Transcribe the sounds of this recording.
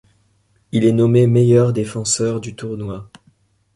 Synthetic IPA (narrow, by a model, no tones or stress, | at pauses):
ilɛnɔmemejœʁd̪efɑ̃sœʁd̪yt̪uʁnwa